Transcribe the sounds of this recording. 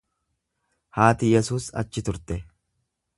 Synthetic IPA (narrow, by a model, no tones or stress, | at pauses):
haːt̪ɪjɛsuːsɐ̰t͡ʃːɪt̪ʊɾt̪ɛ